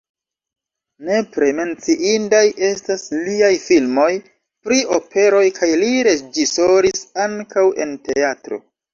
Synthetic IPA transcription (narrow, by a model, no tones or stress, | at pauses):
ne̞pɾe̞me̞nt͡siʔindajʔe̞stasliajfilmo̞j | pɾiʔo̞pʰe̞ɾo̞jkʰajliɾe̞d͡ʒiso̞ɾisaŋkawe̞̰nte̞atɾo̞̰